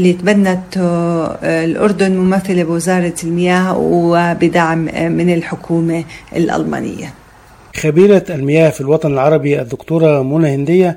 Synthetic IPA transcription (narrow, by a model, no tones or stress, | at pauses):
lːit̪banːat̪ | lʔʊ̰ɾd̪ʊnmʊmaθːalabwɪzɑːɾˤɑlmɪjaːhbɪd̪aʕmmɪnɪlħʊkʰuːmaɪ̰lʔa̰lma̰ːnɪ̰jːa̰ | xabiːɾaʔalmɪjaːhfilwɑt̪ˤɑnɪlʕɑɾˤɑbiʔad̪ːʊkt̪uːɾˤɑmunahɪnd̪ɪjːa